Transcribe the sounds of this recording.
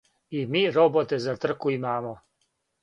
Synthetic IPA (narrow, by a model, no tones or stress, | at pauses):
imiːɾobot̪ezat̪r̩kuimaːmo